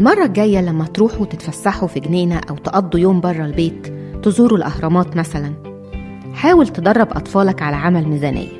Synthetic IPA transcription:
ʔelmɑrˤːɑɡæjːælæmːæt̪ɾuːħut̪et̪fæsːaħufiɡneːnæʔæwt̪ʔɑd̪ˤːujoːmbɑrˤːɑlbeːt̪ːezuːɾulʔɑhɾˤɑmɑːt̪mæsælæn | ħaːwelt̪ed̪ɑrˤːɑbʔɑ̰t̪ˤfɑːlɑkʕalæʕamælmizæːnʔḛjː

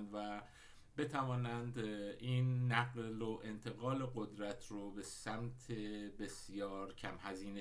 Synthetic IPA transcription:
nvæ | be̞t̪ʰævɒːnænd̪iːnːæɡloʔe̞nt̪ʰe̞ɣɒːleɡo̞d̪ɾæt̪ʰɾobesæmt̪ʰe̞be̞sjɒːɾcʰæmhæziːne

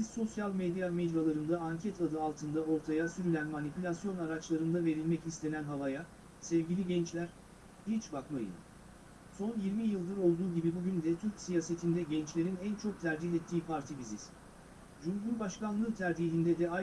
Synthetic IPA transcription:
izso̞sjalʲmed̪jamɛd͡ʒjalˠaɾɯnd̪aaɲcʰɛt̪ʰad̪ɯalˠt̪ʰɯnd̪ao̞ɾt̪ʰajasyɾylʲænmanipʰylʲasjo̞naɾat͡ʃlˠaɾɯnd̪ave̞ɾilʲmɛcist̪ʰe̞nænɦavaja | sɛvɟilʲiɟɛnt͡ʃlʲæɾ̥ | hit͡ʃbakmajɯ̰n | so̞njiɾmijɯlˠd̪ɯɾo̞lˠd̪uːɟibibuɟynd̪ɛt̪ʰyɾcsijaːse̞t̪ʰind̪ɛɟɛnt͡ʃlʲe̞ɾinænt͡ʃʰo̞k̚t̪ʰæɾd͡ʒihɛt̪ʰːiːpʰaɾt̪ʰibizḭz | ʒumɦuɾbaʃkanˠɯːt̪ʰæɾd͡ʒiːɦind̪ɛd̪ɛa

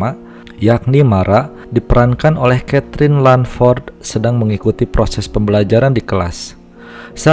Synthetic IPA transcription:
ma | jak̚nimaɾʔa | dipəɾankanolɛhkɛt̪ɾɪnlanfɔrd̪sədaŋməŋikut̪ipɾosɛspəmbəlad͡ʒaɾandikəla̰s | sa

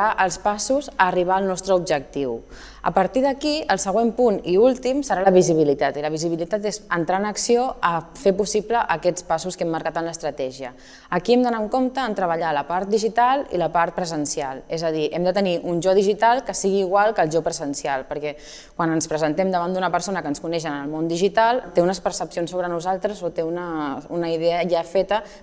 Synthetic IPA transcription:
aʔəlˠspasuzəːriβ̞aəlˠnɔst̪ɾəubʒək̚t̪iw | ə̰pəɾt̪iðəkiəlˠsəɣ̞wempuniulˠt̪imsəɾaləβiziβ̞ilit̪at̪iləβiziβilit̪at̪ezənt̪ɾaənəksioəfepusipləʔəkɛt͡spasuskɛmːəɾkat̪ənləst̪ɾət̪ɛʒiəː | kiɛmd̪ənaəŋkomt̪əːnt̪ɾəβəʎaləpaɾt̪̚d̪iʒit̪alˠḭləpaɾt̪̚pɾəzənsialˠezəð̞iʔɛmd̪ət̪əniʔunʒɔðiʒit̪alˠkəsiɣiːɣwalˠkəlˠʒɔpɾəzənsialˠpəɾkɛ | kwanənspɾəzənt̪ɛmd̪əβand̪unəpəɾsonəkənskunɛʃ̬ənəlˠmond̪iʒit̪alˠt̪eunəspəɾsəpsionsːoβɾənuzalˠt̪ɾəzot̪eunəunəiðeəjafet̪ə

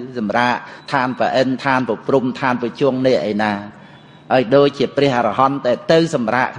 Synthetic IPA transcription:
sɑmraːʔt̪ʰaːnpəʔənt̪ʰaːnpəprumt̪ʰaːnpət͡ɕuəŋnɛəʔːəjnaː | haəjɗoːc̚t͡ɕiəprɛ̆əharɑɦɑnt̪aɛlt̪ɨwsɑmraːʔkʰ

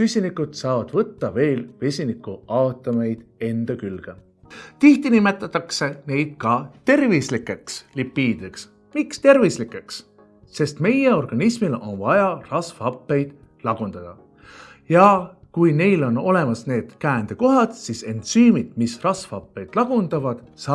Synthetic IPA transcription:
sysʲinikud̪̥sɑːvɑd̪̥vɤt̪ːɑve̞ːlve̞sʲinikuɑot̪ːˑɑme̞jd̪̥e̞nd̪̥ɑkylɡ̥e | t̪iht̪inime̞t̪ːˑɑt̪ːˑɑkse̞ne̞jd̪̥̚kɑt̪e̞rvislikːˑe̞kslipːiːd̪eks | mikst̪e̞rvislikːˑe̞ks | se̞st̪me̞jeo̞rɡ̥ɑnismilʔo̞̰nvɑjɑrɑsfɑpːe̞jd̪̥ | lɑɡ̥und̪̥ɑd̪̥ɑ | jɑ | kujne̞jlo̞no̞̰le̞mɑsne̞ːd̪̥kæːnd̪̥e̞ko̞ɦɑd̪̥sise̞nt̪syːmid̪̥misrɑsfɑpːe̞jd̪̥lɑɡ̥und̪̥ɑvɑd̪̥sɑ

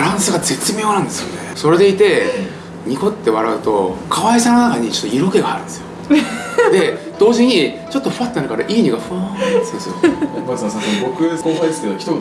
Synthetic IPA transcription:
ɾãɰ̃sɨɡaze̞t͡sɨmʲjo̞ːnãnd̪e̞sɨjo̰neso̞ɾe̞d̪e̞it̪e̞ | ɲ̟iko̞t̪ːe̞βaɾaɯ̟t̪o̞kʰaβaisanonakaɲ̟it͡ɕo̥t̪ːoiɾo̞ke̞ɡaa̰ɾɯ̟̃nd̪e̞sɨjo | d̪e̞ | d̪̥o̞ːʑiɲ̟i | t͡ɕo̞t̪ːo̞ɸɯat̪ːenaɾɯ̟kaɾaʔiːɲ̟iɡaɸɯad̪esɨjoasãsabo̞kɯ̟koːkaest̪ed̪oçʲi̥t̪o

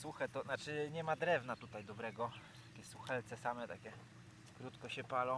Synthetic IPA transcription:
suxat̪ɔnat͡ʂɘɲɛmad̪ɾɛvnat̪ut̪ajd̪ɔbɾɛɡɔt̪akʲɛsuxɛlt̪sɛsamɛt̪a̰kʲɛ | kɾut̪kɔɕɛpalɔ̃

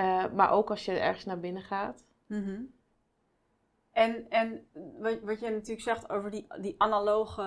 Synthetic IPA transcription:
ma̰ɹʔowkɑlˠsjəɛ̰ɹχəsnaːbɪnəχaːt | m̩ | ʔɛnɛnʋʋɑtjənatyːəksɛχto̰wvəɹdidiʔanalowχə

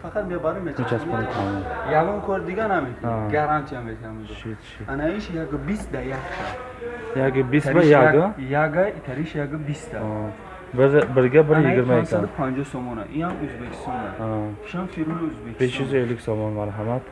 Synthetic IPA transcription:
fakʰat̪miabaɾumet̪ʰit͡ʃʰaskɔnit̪ʰanijaɡɔmkʰɔɾd̪iɡanamet̪ʰĩɡaɾant͡ʃ̪ʰiamet̪ʰiamzuʃit̪t͡ʃʰianaiʃjaɡəbisd̪ajakt̪ʰa | jaɡbisɾbajaɡjaɡait̪ʰaɾiʃjaɡɨbist̪ʰa | bɾbəɾɡabəɾjiɡiɾmaisʰad̪upʰand͡ʒɔhsɔmɔna̰ʔiamuzbekʰi̥st̪ɔna̰at̪ʰiʃamfiɾuluzbekbeʃizeliksɔmɔnmaɾɦamat̪ʰ

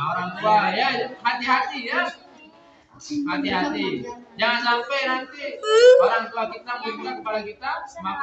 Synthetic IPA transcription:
oɾaŋt̪uajaɦat̪iɦat̪ija | ɦat̪iɦat̪id͡ʒaŋansampajnant̪ioɾaŋt̪uakit̪aməɡimukakəpadakit̪ama

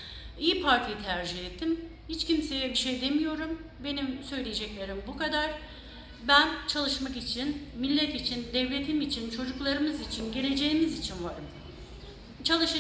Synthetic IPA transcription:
ijipʰaɾt̪ʰijit̪ʰæɾd͡ʒihɛt̪ʰːim | hit͡ʃcimse̞jɛbiʃejd̪e̞mijo̞ɾum | be̞nimsø̞jlʲejed͡ʒɛclʲe̞ɾimbukad̪aɾ̥ | bænt͡ʃʰalˠɯʃmakit͡ʃʰinmilʲːɛt̪it͡ʃʰind̪ɛvlʲe̞t̪ʰimit͡ʃʰint͡ʃʰo̞d͡ʒuklˠaɾɯmɯzit͡ʃʰinɟe̞lʲe̞d͡ʒe̞jimizit͡ʃʰinvaɾɯm | t͡ʃʰalˠɯʃa

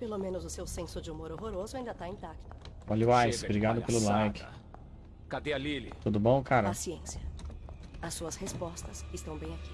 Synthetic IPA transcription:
pelomẽnʊzʊsewsẽsʊd͡ʒɪumoɾoɦoɾozʊaĩnd̪ɐt̪aĩt̪akt̪ʊ̥ | ɔluajsbɾiɡad̪ʊpelʊlajkɪ̥ | kad̪elilit̪ud̪ʊbõw̃kaɾɐasiẽsiɐ | ɐsːuɐshespɔst̪ɐsɪst̪ɐ̃w̃bẽj̃aki̥

